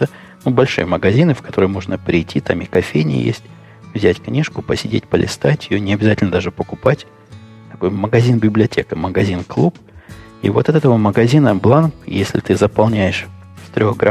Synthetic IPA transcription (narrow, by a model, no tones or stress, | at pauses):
t̪ə | nubɐlʲʂɨ̰jəməɡɐzʲinɨfkɐ̥t̪o̞ɾɨjmo̞ʐnəpɾʲɪjtʲːit̪amɪkɐfʲejnʲɪ̰jḛsʲtʲ | vzʲætʲknʲiʂkʊpəsʲɪdʲetʲpəlʲɪ̰st̪atʲɪjonʲɪɐbʲɪzatʲɪlʲnəd̪aʐɨpəkʊpatʲ | t̪ɐko̞jməɡɐzʲinbʲɪblʲɪɐtʲekəməɡɐzʲinklˠup | ḭvo̞t̪ɛt̪ɛt̪əvəməɡɐzʲinəblˠanpjesʲlʲɪ̰t̪ɨzəpɐlˠnʲæjɪʂst̪ɾʲo̞xɡɾa